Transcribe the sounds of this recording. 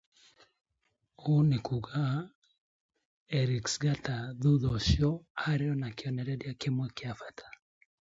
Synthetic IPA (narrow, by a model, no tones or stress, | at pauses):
onekuɡa | ɛɾiksɡataðuðɔʃjɔaɾeɔnakeɔnɛɾɛdjakemwɛkeafatʰḁ